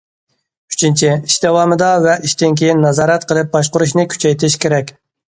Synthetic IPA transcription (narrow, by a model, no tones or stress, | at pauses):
y̥t͡ʃʰint͡ʃʰɪiʃd̪ɛwɑmɨd̪ɑvɛʔiʃt̪ɪnkʲʰejinːɑzɑːɾɛt̪qʰəlˠɨp̚bɑʃ̬qʊɾuʃnɨkʲʰy̥t͡ʃʰɛjt̪ʰɪʃkʲʰeɾɛkʲ